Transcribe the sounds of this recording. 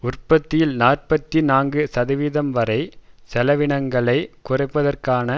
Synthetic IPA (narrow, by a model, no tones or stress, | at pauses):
ʊrpɐt̪ːɪjɪlnaːrpɐt̪ːinaːŋɡɯsɐðɐʋiːðɐmʋɐɾɐɪsɛlɐʋɪɳɐŋɡɐɭɐɪkʊrɐɪpːɐðɐrkaːnɐ